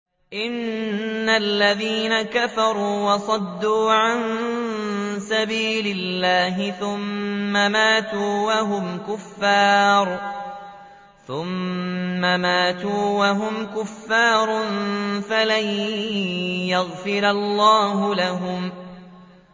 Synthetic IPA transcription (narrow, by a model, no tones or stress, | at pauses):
ʔɪnː | alːaðiːnakafɑɾˤuːwɑsˤɑd̪ːuːʕan | sabiːlɪlːaːɦɪθʊmːamaːt̪uːwaɦʊmkʊfːɑːɾˤ | θʊmː | amaːt̪uːwaɦʊmkʊfːaːɾˤʊnfalaj | jaɣfɪɾalˤːɑːɦʊlaɦʊm